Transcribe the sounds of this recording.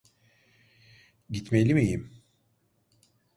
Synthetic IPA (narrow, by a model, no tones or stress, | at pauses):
ɟit̪melʲimijim